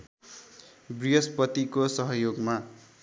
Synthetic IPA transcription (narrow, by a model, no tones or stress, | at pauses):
briʌspʌt̪ikosʌɦʌjoɡma